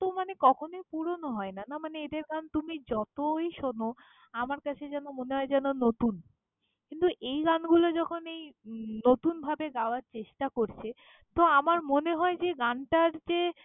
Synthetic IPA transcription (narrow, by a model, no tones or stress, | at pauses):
t̪omanekɔkʰonojpuɾonoɦɔenanamaneed̪eɾɡant̪umid͡ʑɔt̪ojʃono | amaɾkat͡ɕʰed͡ʑɛnomoneɦɔed͡ʑɛnonot̪un | kint̪uʔejɡanɡulod͡ʑɔkʰonejnot̪unbʱabeɡaoaɾt͡ɕeʃʈakoɾt͡ɕʰe | t̪oamaɾmoneɦɔed͡ʑeɡanʈaɾd͡ʑe